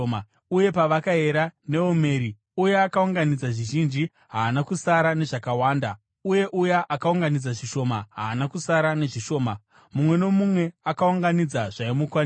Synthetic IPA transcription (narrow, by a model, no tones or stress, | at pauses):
uje̞paʋakaɦeɾane̞ome̞ːɾi | ujeakauŋɡanid͡zaʐiʒind͡ʒi | ɦaːnakusaɾane̞ʐakawaːnda̰ | uje̞ʔujaʔakauŋɡanid͡zaʐiʃo̞maɦaːnakusaɾane̞ʐiʃo̞ːma | mumwe̞no̞mumwe̞akauŋɡanid͡zaʐaimukwan